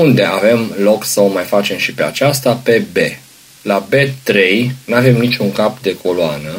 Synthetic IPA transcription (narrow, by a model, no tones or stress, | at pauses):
und̪e̞ave̞mlo̞ksəomajfat͡ʃe̞mʃipea̰t͡ʃast̪ape̞be̞ | labe̞t̪ɾe̞jnave̞mnit͡ʃuŋkapd̪e̞kʰo̞loanə